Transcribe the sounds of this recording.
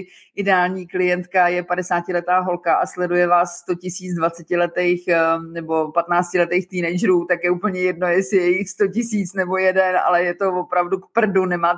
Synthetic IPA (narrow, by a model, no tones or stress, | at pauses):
ʔɪdɛaːlɲiːklɪjɛnt̪kajɛpadɛsaːcɪlɛt̪aːɦo̞lkaʔaslɛdujɛvaːsːt̪o̞cɪsiːt͡sdvat͡sɛcɪlɛt̪ɛjxnɛbo̞pat̪naːt͡scɪlɛt̪ɛjxt̪iːnɛjd͡ʒɛɾuːt̪akjɛʔuːpl̩ɲɛjɛdno̞jɛsɪjɛjɪxst̪o̞cɪsiːt͡snɛbo̞jɛdɛna̰lɛjɛt̪o̞vo̞pɾavdukpr̩dunɛmaː